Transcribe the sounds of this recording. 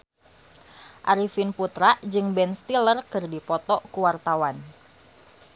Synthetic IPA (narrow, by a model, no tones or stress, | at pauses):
ʔaɾifinput̪ɾaʔd͡ʒɨŋbɛnst̪ilərkɨrdipɔt̪ɔʔkuwart̪awan